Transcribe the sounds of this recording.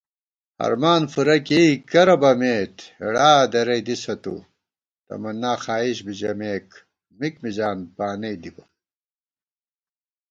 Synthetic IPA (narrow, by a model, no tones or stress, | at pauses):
ɐ̰ɾmaːnfuɾɐkikɐɾɐbɐmeːt̪iɽaːd̪ɐɾɐjd̪isɐt̪ṵ | t̪ɐ̰mɐnːaːxaːiɕbid͡ʑɐmeːk | mikmid͡ʑaːnpaːnɐjd̪ibɐ